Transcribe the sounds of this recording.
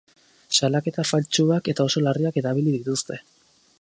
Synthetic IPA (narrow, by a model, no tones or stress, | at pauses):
salake̞t̪afalt͡ʃuake̞t̪ao̞so̞lariake̞ðaβ̞iliðit̪ust̪e̞